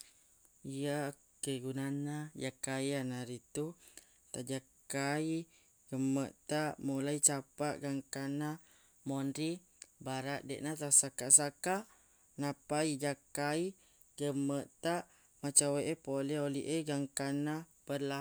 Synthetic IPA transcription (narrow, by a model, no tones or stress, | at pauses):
ija | keɡunanajakajanaɾit̪u | t̪aʔd͡ʒakai | ɡəməʔt̪aʔmulait͡ʃapaʔɡaŋkana | mondɾi | baɾaʔdɛ̰ʔnat̪asakaʔsakaʔ | napaid͡ʒakai | ɡəməʔt̪aʔ | mat͡ʃaweʔepolɛoliʔeɡaŋkanapəla